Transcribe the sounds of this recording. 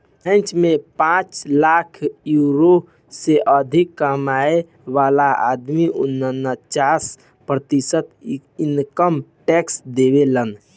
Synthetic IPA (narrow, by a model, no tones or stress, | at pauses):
ə̃nt͡ʃmepãt͡ʃlakʰjuɾo | seʔəd̪ʱikːəmae | ʋalaa̰d̪miunːənːət͡ʃas | pɾət̪isət̪inkəmʈɛksd̪eβelən